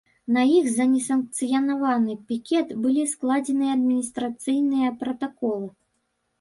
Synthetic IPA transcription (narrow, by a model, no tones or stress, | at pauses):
nɐjixzɐnʲɛsɐnk̚t̪sɨjɐnavanɨpʲikʲɛt̪bɨlʲisklˠad͡zʲɛnɨjɐɐd̪̚mʲinʲist̪ɾat̪sɨjnɨjɐpɾɐt̪akɔlˠɨ